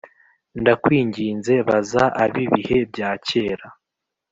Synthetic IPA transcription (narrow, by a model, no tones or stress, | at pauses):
ndakwiːɲɟiːnze̞βazaʔaβiβihe̞b̚jaːce̞ːɾa